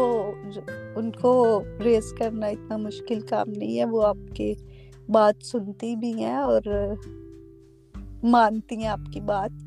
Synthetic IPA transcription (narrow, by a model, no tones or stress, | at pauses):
oː | ʊnkoɾeːskɐɾnaɪt̪namʊʃkɪlka̰ːmnɐɦĩɦɛ̃ʋoaːp̚ke | baːt̪sʊnt̪ibʱiɦɛ̃ɔːɾ | maːnt̪iɦɛ̃aːpkibaːt̪̚